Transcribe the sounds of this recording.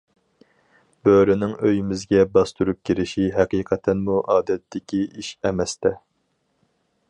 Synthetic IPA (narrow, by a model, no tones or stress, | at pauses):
b̥øɾɪnɪŋøjymɪzɡʲɛbɑst̪uɾup̚kʲiɾɪʃiɦɛqiːqʰɛt̪ʰɛnmuʔɑːd̪ɛt̪ːɪkʲiiʃɛmɛst̪ɛ